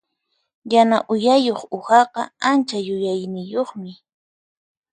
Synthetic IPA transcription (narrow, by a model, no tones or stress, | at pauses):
janaʔʊjajoχʊxɑqɑ̰ant͡ʃajʊjajnɪjoχmɪ